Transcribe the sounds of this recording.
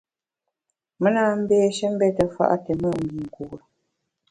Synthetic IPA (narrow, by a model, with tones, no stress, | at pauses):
mə˦naː˦m̩˦beː˦ʃɛ˦m̩˦bɛ˦tə˨fa̰˦˨ʔa̰˦te˨mə˦˨m˨bi˨ŋ̩˨ku˨ɾ